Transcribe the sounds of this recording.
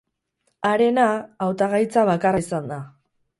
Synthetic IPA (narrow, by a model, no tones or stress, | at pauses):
aɾe̞naːwt̪aɣajt͡saβakaraisand̪a